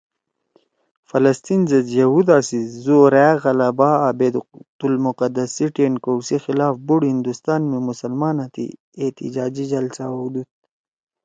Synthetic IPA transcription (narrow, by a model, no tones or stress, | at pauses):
fɐlɐst̪inzɐzjɐhud̪aːsizoːɾːɣɐlabaːabed̪t̪ulmuqɐd̪ɐsiʈeːnkowsixilaːfbuɽhind̪ust̪aːnmemusɐlmɑːnat̪ḭ | et̪ḭd͡ʒaːd͡ʑid͡ʒɐlsaud̪ut̪̚